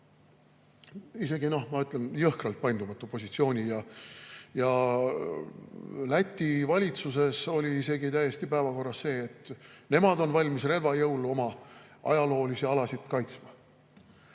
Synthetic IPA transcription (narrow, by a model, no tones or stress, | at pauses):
ise̞ɡino̞hmɑyt̪ˑle̞njɤhkrɑlt̪̚pɑjnd̪umɑt̪ːˑupo̞sʲit̪sio̞ːnʲijɑ | jɑ | læt̪ʲːivɑlʲit̪suse̞so̞lʲiise̞ɡit̪æje̞st̪ipæevɑko̞rːɑsːe̞ːt̪ːne̞mɑd̪o̞nvɑlʲmisre̞lvɑjɤwluo̞mɑʔɑ̰jɑlo̞ːlisiɑlɑsit̪kɑjt̪smɑ